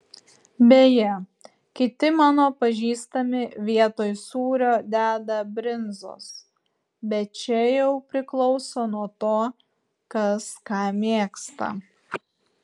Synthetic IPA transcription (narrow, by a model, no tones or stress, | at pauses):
bʲeːjɛ | kʲɪt̪ʲɪmɑːnoːpɐʒʲiːst̪ɐmʲɪʋʲiɛt̪oːjsuːɾʲoːd̪ʲæːd̪ɐbʲɾʲɪnzo̰ːs | bʲɛt̪̚t͡ʃʲɛjɛʊpʲɾʲɪklˠɒʊsoːnuɔt̪oː | kɐskɑːmʲeːkst̪ɐ̰